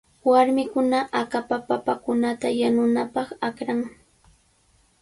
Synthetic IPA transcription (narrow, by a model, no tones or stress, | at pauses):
waɾmɪkʊnaʔakapapapakʊnat̪ajanʊnapɑχakɾaŋ